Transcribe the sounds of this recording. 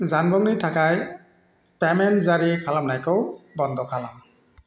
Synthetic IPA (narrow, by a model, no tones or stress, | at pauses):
zanbɔŋnitʰakaj | pɛmɛnzaɹikʰalamnajkɔwbɔnd̪ʱɔkʰalam